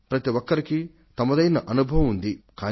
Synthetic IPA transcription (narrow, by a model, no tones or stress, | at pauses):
pɾɐt̪iʋɔkːɐɾiki | t̪ɐmɐd̪ɐjnɐʔɐnubʱɐʋɐmund̪ikaː